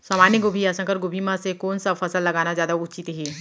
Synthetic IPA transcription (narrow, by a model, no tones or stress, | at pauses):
sɐmaːniɡʊbʱiasə̃kəɾɡʊbʱimãsekoːnsafʰɐsəlːɐɡaːnazjaːd̪aʊt͡ʃit̪ɦeː